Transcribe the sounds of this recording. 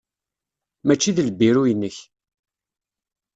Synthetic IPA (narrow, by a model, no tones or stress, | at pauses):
mæt͡ʃːiðləbːiɾujənːəç